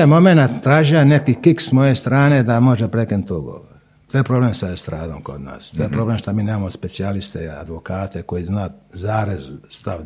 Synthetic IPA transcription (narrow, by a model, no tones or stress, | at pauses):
emo̞menat̪ːɾaːʒijane̞kikiksmo̞jest̪ɾaːne̞d̪amo̞ʒepɾekinut̪uɡo̰ʋo | t̪oːjepɾoblemsaest̪ɾaːd̪oːmko̞̰d̪na̰ːst̪ojepɾo̞blemʃt̪amiːneːmamospe̞t̪sialist̪ea̰d̪ʋokaːt̪eko̞jiznaːzaːɾezst̪a